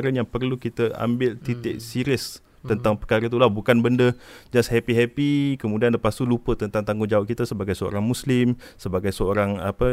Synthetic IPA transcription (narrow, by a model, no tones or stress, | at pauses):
ɾənjaŋpərlukit̪əa̰mbɪlt̪it̪ɪ̰ʔsiɾiəs | t̪ənt̪aŋpərkaɾəit̪ulahbukanbəndəd͡ʒashɛpiɦɛpikəmudianləpasulupət̪ənt̪aŋt̪aŋɡʊd͡ʒawaʔ̚kit̪əsəbaɡajsəo̰ɾaŋmuslɪm | səbaɡajsəoɾaŋapə